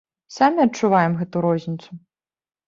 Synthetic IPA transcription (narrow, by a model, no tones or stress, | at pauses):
samʲiɐt͡ʂːʊvajɛmɣɛt̪ʊɾɔzʲnʲit̪sʊ